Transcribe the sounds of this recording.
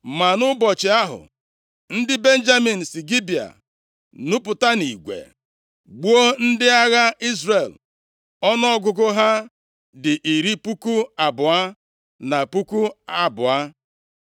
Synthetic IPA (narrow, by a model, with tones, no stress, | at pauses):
ma˨nʊ˦bɔ˨t͡ʃɪ˨a˦ɦʊ̰˨ | n̩˦dɪ˦be˦n̩˦d͡ʒa˦mi˨n̩˨si˨ɡi˦bi˨a̰˨ | nʊ˦pʊ˨ta˦ni˨ɡʷḛ˨ | ɡ͡bu˦o˦n̩˦dɪ˦a˦ɣa˦i˦zre˨l | ɔ˦n˦ɔ˦ɡʊ˨ɡʊ˦ɦa˦ | dɪ˨ʔi˨ɾi˦pu˦ku˦a˨bʊ˨a˦ | na˨pu˦ku˦a˦bʊ˨a˦